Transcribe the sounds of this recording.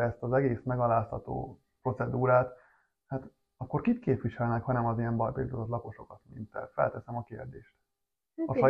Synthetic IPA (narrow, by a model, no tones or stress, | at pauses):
ɛst̪ɒzɛɡeːsmɛɡɒlaːshɒt̪o̰ː | pro̞t̪sɛd̪uːɾaːt̪ | haːt̪ | ɒkːo̞rkikkeːpʋiʃɛlnɛkhɒnɛmɒzijɛmbɒjbḭld̪ozot̪lɒko̞ʃo̞kɒt̪mḭnt̪ɛ̰fɛ̰lt̪ɛsɛmɒkeːrd̪eːʃt̪ | ɒfɒ